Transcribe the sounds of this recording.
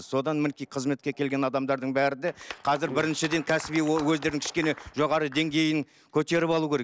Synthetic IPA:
zso̞d̪ɑnmɪnɪkʲijqʰəzme̞t̪̚kʲe̞kʲʰe̞lɡʲe̞nɑd̪ɑmd̪ɑɾd̪əɴbæɾɪd̪eqʰɑzɪɾbɪɾɪnʃɪd̪e̞ŋkʲʰæsɪbijowɵzd̪e̞ɾnɪŋkʲʰɪ̥ʃʲkʲe̞ne̞ʒo̞ʁɑɾəd̪e̞ŋɡʲe̞jɪŋ | kʲʰɵt̪e̞ɾɪpɑlˠuwkʲʰeɾe

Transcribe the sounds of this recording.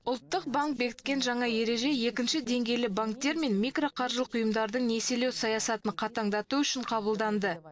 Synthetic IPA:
ʊlˠt̪ːəq̚baŋk̚be̞kʲɪ̥t̪̚kʲe̞nʒɑɴɑje̞ɾe̞ʒe̞je̞kʲɪnʃɪd̪e̞ŋɡʲe̞jlɪbaŋk̚t̪e̞ɾme̞nmikro̞qʰɑɾʒlˠqʰʊjəmd̪ɑɾd̪əɴne̞se̞lewsɑjɑsɑt̪ənɴqʰɑt̪ɑɴd̪ɑt̪uʏʃɪɴqʰɑβəlˠd̪ɑnd̪ə

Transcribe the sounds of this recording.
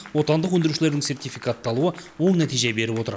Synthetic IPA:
wo̞t̪ɑnd̪əq̬wɵnd̪ɪɾuʃɪle̞ɾd̪ɪŋse̞rt̪ʲijfʲijkat̪ːɑlˠuəwo̞ɴnæt̪ijʒe̞be̞ɾɪpwo̞t̪əɾ

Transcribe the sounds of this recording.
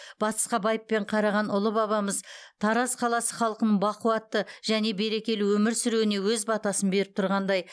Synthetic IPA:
b̥ɑt̪ə̥sqɑbɑjəpːe̞ɴqʰɑɾɑʁɑnʊlˠəbɑβɑməzt̪ʰɑɾɑsqʰɑlˠɑsəχɑlˠqənəɴbɑquwɑt̪ːəʒ̥æne̞be̞ɾe̞kʲe̞lɪwɵmɪɾsʏɾewɪne̞wɵzbɑt̪ɑsənbe̞ɾɪp̚t̪ʰʊɾʁɑnd̪ɑj

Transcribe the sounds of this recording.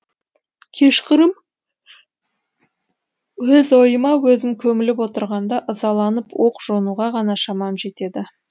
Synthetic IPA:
kʲʰe̞ʃqɪɾəm | wɵzo̞jəmɑwɵzɪmkʲʰɵmɪlɪp̬wo̞t̪əɾʁɑnd̪ɑʔəzɑlˠɑnəpwo̞qʒ̥o̞nuʁɑʁɑnɑʃɑmɑmʒe̞t̪e̞d̪ɪ

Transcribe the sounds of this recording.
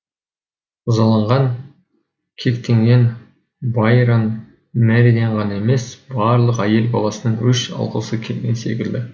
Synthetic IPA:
ʊzɑlˠɑɴʁɑŋ | kʲʰe̞kt̪e̞ŋɡʲe̞n | bɑjɾɑn | mæɾiɡ̪ʲeɴʁɑnɑe̞me̞sbɑɾlˠəqæje̞lbɑ̰lˠɑsənəɴʏʃɑ̰lˠqə̰səkʲʰelɡʲe̞nse̞̰kʲɪld̪ɪ

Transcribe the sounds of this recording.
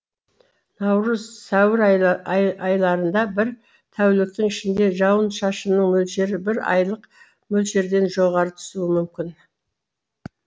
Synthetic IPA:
nɑwɾəzsæwɪɾ | ɑjlˠɑɾənd̪ɑbɪɾ | t̪ʰæwlɪk̚t̪ɪŋɪʃɪnd̪e̞ʒɑwənʃɑʃənəɴmɵlʃe̞ɾɪbɪɾɑ̰jlˠəq | mɵlʃe̞ɾd̪e̞nʒo̞ʁɑɾət̪ʰʏ̥suɪmʏmkʲɪn

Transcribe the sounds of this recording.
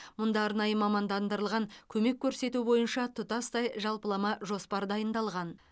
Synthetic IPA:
mʊnd̪ɑːɾnɑjəmɑmɑnd̪ɑnd̪əɾəlˠʁɑŋkʲʰɵme̞kʲʰːɵɾse̞t̪ubo̞jənʃɑt̪ʰʊt̪ɑst̪ɑjʒɑlˠpəlˠɑmɑʒo̞spɑɾd̪ɑjənd̪ɑlˠʁɑn

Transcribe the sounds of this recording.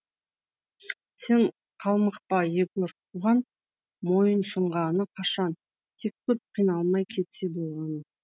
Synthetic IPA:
se̞ɴ | qʰɑlˠməqpɑjekʲɵɾt̪ʰuʁɑn | mo̞jənsʊɴʁɑnəqʰɑʃɑn | t̪ʰe̞kʲkʲʰːɵp̚qʰijnɑlˠmɑjkʲʰe̞t̪se̞bo̞lˠʁɑnə

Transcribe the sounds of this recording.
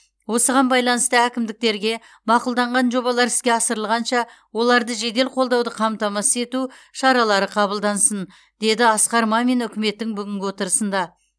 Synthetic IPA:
wo̞səʁɑnbɑjlˠɑnəst̪əækʲɪmd̪ɪk̚t̪e̞ɾɡʲe̞ | mɑqʊlˠd̪ɑɴʁɑnʒo̞βɑlˠɑɾɪskʲe̞ɑsəɾəlˠʁɑnʃɑ | wo̞lˠɑɾd̪əʒe̞d̪e̞lqʰo̞lˠd̪ɑwd̪əqʰɑmt̪ɑmɑsəe̞t̪uʃɑɾɑlˠɑɾəqʰɑβəlˠd̪ɑnsən | d̪̥e̞d̪ɪɑsqɑɾmɑme̞nʏkʲɪme̞t̪ːɪŋbʏɡʲɪŋkʲɪwo̞t̪əɾəsənd̪ɑ

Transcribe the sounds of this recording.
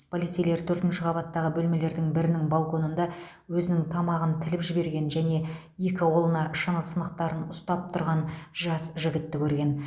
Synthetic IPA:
pʰolit̪sijle̞ɾt̪ʰɵɾt̪ɪnʃɪqʰɑbɑt̪ːɑʁəbɵlme̞le̞ɾd̪ɪŋbɪɾɪnɪŋbalˠko̞nənd̪ɑ | wɵzɪnɪŋt̪ʰɑmɑʁənt̪ʰɪlɪpʒɪbe̞ɾɡʲe̞nʒæne̞ | je̞kʲɪwo̞lˠənɑʃənəlsənəqt̪ɑɾənʊst̪ɑp̚t̪ʰʊɾʁɑnʒɑsʒɪɡʲɪt̪ːɪkʲʰɵɾɡʲe̞n

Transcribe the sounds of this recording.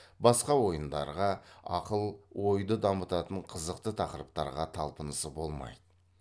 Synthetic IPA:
bɑsqɑwo̞jənd̪ɑ̰ɾʁɑɑ̰qəlˠwo̞jd̪əd̪ɑmət̪ɑt̪əɴqʰəzəqt̪ət̪ʰɑqəɾəp̚t̪ɑ̰ɾʁɑt̪ʰɑlˠpənəsəbo̞lˠmɑ̰jd̪ə

